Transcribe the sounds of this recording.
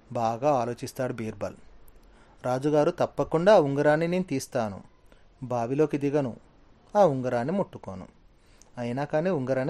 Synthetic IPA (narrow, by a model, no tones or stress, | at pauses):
baːɡaːaːlo̞ːt͡ʃist̪aːɽubiːɾbɐ̰l | ɾaːd͡ʒuɡaːɾut̪ɐpːɐkuɳɖaːuŋɡɐɾaːnːineːnut̪iːst̪aːnṵ | bʱaːʋilo̞ːkid̪iɡɐnṵ | aːuŋɡɐɾaːnːimuʈːuko̰ːnṵ | ɐjinaːkaːniːuŋɡɐɾaːni